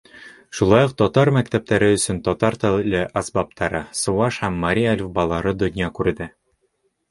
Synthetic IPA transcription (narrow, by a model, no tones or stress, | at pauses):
ʃulˠɑjuq̚t̪ɒt̪ɑɾmæk̚t̪æp̚t̪æɾɘɵ̆sɵnt̪ɒt̪ɑɾt̪ælɘʔɑsbɑp̚t̪ɑɾɤsuɑʃhæmːɐɾʲialʲfbɑlˠɑɾɤd̪ŏnʲjɑkʉɾd̪ɘ